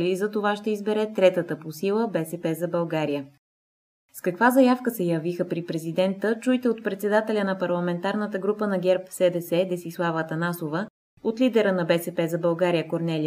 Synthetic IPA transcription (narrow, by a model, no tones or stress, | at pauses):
lizɐt̪ovaʃt̪ɛizbɛɾɛt̪ɾɛt̪ət̪əposilˠəbɛsɛpɛzɐbɐlˠɡaɾijə | skɐkvazɐjafkəsɛjɐvixəpɾipɾɛzid̪ɛnt̪ət͡ʃujt̪ɛot̪̚pɾɛt̪sɛd̪at̪ɛlʲənɐpɐɾlˠɐmɛnt̪aɾnət̪əɡɾupənɐɡʲɛɾpsɛd̪ɛsɛd̪ɛsislˠavət̪ɐnasovə | ot̪lʲid̪ɛɾənɐbɛsɛpɛzɐbɐlˠɡaɾijəkoɾnɛli